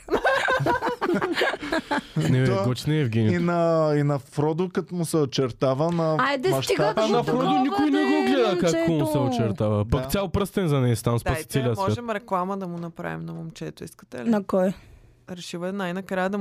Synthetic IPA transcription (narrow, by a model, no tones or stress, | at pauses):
nɛvɛt̪ɡɔt͡ʃnɛɛvɡʲɛmʲinɐinɐfɾɔd̪ʊkət̪mʊsɛot͡ʃɛɾt̪avənɐad̪ɛmʃitnɐfɾɔd̪ʊnikʊjnɛɡoɡlɛd̪ɐkakkːomʊssɛot͡ʃɛɾt̪avɐpɐkkt̪ʲjalˠpɾəst̪ɛnzɐnɛst̪amsd̪ɐit̪ɛlʲiɐsmvɔatʒɛmɾɛklˠamɐd̪ɐmʊnɐpɾa̰vḭmnɐmomt͡ʃɛt̪ʊḭskə̥t̪ɛ̰linɐkɔj | ɾɛʃivɐnajnɐkɾajɐd̪ɐm